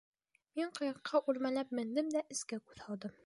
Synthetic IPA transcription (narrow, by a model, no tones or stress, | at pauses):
miɴqɤ̆jɑqqʰːɑʔʉɾmælæp̚mɘ̆nd̪ɘmd̪æʔɘ̆skækʉðhɑlˠd̪ɤm